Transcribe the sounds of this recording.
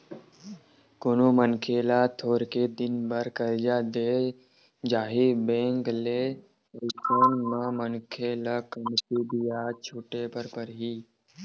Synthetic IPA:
kʊnomənkʰeːlat̪ʰoːɾked̪ɪnbəɾkəld͡ʒaːd̪eː | d͡ʒaːɦibẽːŋkle | əlsoːnmãmənkʰeːlakəmsid̪ijat͡ʃʰʊʈepəɾpəɾɦiː

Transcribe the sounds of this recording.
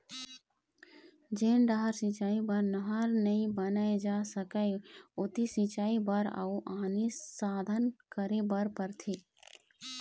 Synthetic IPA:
d͡ʒeːnɖaɦəɾsĩt͡ʃaːibəɾnəɦaɾnəĩbənaed͡ʒaːsəkəeʊt̪isĩt͡ʃaːibəɾa̰uʔaːnisaːd̪ʱənkəɾebəɾpəɾt̪ʰiː

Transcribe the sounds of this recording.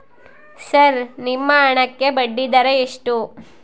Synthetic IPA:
sɐɾnimːɐːɳɐkːe̞bɐɖːid̪ɐɾeeʂʈu

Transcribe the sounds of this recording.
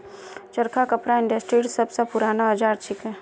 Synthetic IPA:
t͡ʃəɾkʰakəpɾaɪ̃ɳɖəsʈɾiːɖsəbsapʊɾaːnaɦəd͡ʒaːɾt͡ʃʰɪkɦɛ̃ː

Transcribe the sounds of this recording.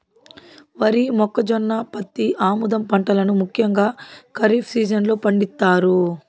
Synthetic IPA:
ʋɐɾimɔkːɐd͡ʒɔnːaːpɐt̪ːiʔaːmud̪ɐmpɐɳʈɐlɐnumukʰjɐŋɡaːkɐɾipʰsiːd͡ʒɐnlo̞ːpɐɳɖit̪ːaːɾu

